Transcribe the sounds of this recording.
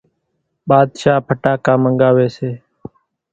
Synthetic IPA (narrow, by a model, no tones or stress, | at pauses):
ɓaːd̪ʃaːpʰəʈaːkaːməŋɡaːʋeːseː